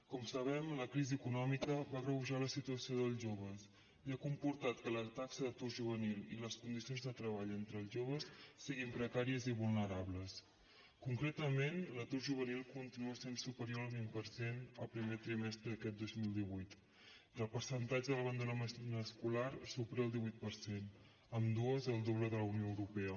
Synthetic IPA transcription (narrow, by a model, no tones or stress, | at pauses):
kɔmsəβɛmləkɾiziəkunɔmikəβarəβuʒaləsit̪uəsioðəlˠʒoβ̞əs | iakumpuɾt̪at̪kələt̪aksəðət̪uɾʒuβ̞ənililəskund̪isionzðət̪ɾəβaʎent̪ɾəlˠʒoβ̞əsːiɣimpɾəkaɾiəziβulˠnəɾaβləs | kuŋkɾet̪əmenlət̪uɾʒuβ̞ənilˠkunt̪inuəsensupəɾioɾəlˠβimpəɾsenəlˠpɾimet̪ɾimɛst̪ɾəðəkɛt̪̚d̪ozmilˠd̪iβujt̪ | əlˠpəɾsənt̪ad͡ʒəðələβənd̪enəməskulaɾsupɾeəlˠd̪iβujt̪̚pəɾsen | əmd̪uəzəlˠd̪oβləðələwnioəwɾupɛə